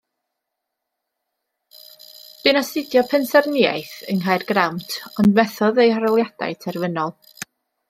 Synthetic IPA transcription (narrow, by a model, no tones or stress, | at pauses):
b̥ɨnasɪdjɔpʰɛnsɛrnia̰jθəŋɦajrɡ̥rawntʰɔndmɛθɔðejhaɾɔlˠjad̥a̰jtʰɛrvənɔlˠ